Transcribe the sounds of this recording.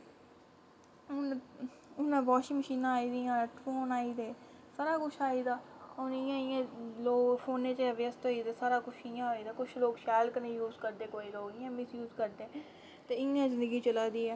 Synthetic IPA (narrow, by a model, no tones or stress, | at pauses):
ʊnãːʋɔːʃiːməʃiːnãːiːd̪iːãːʈfoːnaːiːd̪eː | saːɾaːkʊt͡ʃʰaːiːd̪aːoːnɪjãːɪjãːloːɡfʰoːnẽːt͡ʃːəʋɪəst̪oːiːd̪eːsaːɾaːkʊt͡ʃʰɪjãːɦoːiːd̪aːkʊt͡ʃʰloːɡʃɛːlknəĩːjuːzkəɾd̪eːkoːiːɾoːɪãːmɪsjuːzkəɾd̪eː | t̪eːɪjãːzɪnd̪əɡiːt͡ʃəlaːd̪iːɛː